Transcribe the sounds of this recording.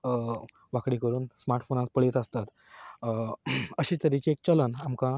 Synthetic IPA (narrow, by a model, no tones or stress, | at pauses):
ʋakɽikəɾuːnsmaɾʈfonat̪pəɭet̪əst̪at̪ | əɕiːt̪əɾit͡ɕiek̚t͡ɕələnamkã